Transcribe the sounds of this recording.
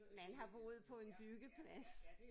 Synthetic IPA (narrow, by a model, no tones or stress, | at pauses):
mænɦɑ̈b̥oːð̞̩ˠpʰɒ̽e̝nb̥yɡ̥əpʰlæs